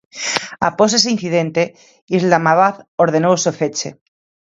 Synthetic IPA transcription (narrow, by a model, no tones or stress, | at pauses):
a̰pos̬es̬ein̟θiðẽnt̪e | izlamaβaθoɾðenowsofet͡ʃḛ